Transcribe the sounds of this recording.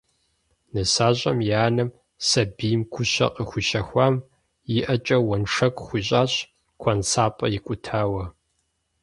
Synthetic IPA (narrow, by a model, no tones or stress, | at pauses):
nɨsaːɕʼɐmjaːnɨm | sɐbijmkʷʰʊɕɐ̰qʼəxʷʊʃɐxʷaːm | jɪʔɐt͡ʃʼɐwɐnʂɐkʷʼxʷiɕʼaːɕ | kʷʰɐnsaːpʼɐjɪkʷʼʊtʰaːwɐ